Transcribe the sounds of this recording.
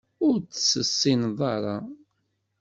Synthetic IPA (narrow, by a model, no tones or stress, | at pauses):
ʊɾt͡sːsəsːinðˤɑɾˤɑ